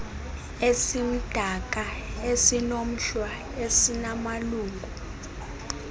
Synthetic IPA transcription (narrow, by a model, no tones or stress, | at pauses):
esim̩d̥ʱakʼaesinom̩ʃwa | esinamaluːŋɡʱu